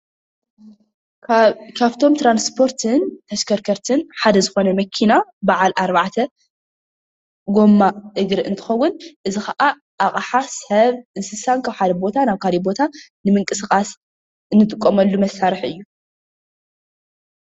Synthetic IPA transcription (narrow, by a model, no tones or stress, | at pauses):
kʰaβt̪ʰo̞mt̪ʰɾanspʰo̞ɾt̪ʰɨnt̪ʰɐskʰɐɾkʰɐɾt̪ʰɨnħad̪ɐzɨxo̞nɐmɐkʰinabaʕalʔaɾbaʕt̪ʰɐ | ɡo̞mːaʔɨɡɾɨʔɨnt̪ʰɨ̥xɐwːʊnʔɨzixɐʔa | ʔaχʼħasɐβɨnsɨsankʰaβħad̪ɐbo̞t̪ʰanaβkʰalibo̞t̪ʰanɨmɨŋkʼɨsɨkʼas | ɨnːɨt̪ʼɨkʼːomɐlːumɐsːaɾɨħʔɨjːu